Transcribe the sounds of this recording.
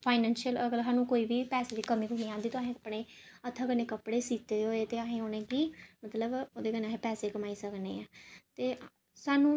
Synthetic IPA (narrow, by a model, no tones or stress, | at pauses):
pʰaːɪnɛːnʃiələɡəlɦaːnũːkoːiːbiːpɛːseːd̪iːkəmĩːɡʊniːãːnd̪iːt̪oaːɦẽəpːɽ̃eːət̪ʰːəkəneːkəpɽeːsiːt̪eːɦoːeːt̪eːaɦẽːoːnẽːkiːmət̪ləboːd̪eːkənaːɦẽːpɛːseːkəmaːiːsəknḛːɛːt̪eː | saːnũː